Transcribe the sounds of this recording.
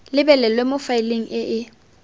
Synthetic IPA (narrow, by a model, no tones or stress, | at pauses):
lɪbɛlɛlwemʊfaɪleŋ̩ɪʔɪ